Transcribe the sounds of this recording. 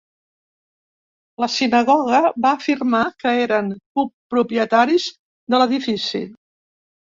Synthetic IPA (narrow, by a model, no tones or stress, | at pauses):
ləsinəɣɔɣ̞əβaːfirmakəeɾəŋkupːɾupɾiət̪aɾiz | d̪ələðifisḭ